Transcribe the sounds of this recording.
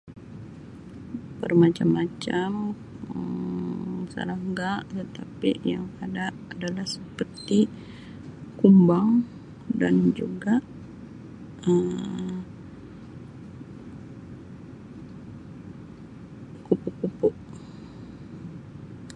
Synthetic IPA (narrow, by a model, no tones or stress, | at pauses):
pərmat͡ʃamːat͡ʃam | ə | sa̰laŋɡaʔt̪ət̪apijaŋadaʔːdalahsəpərt̪i | kumbaŋ | dand͡ʒuɡaʔ | əm | kupuʔkupʊʔ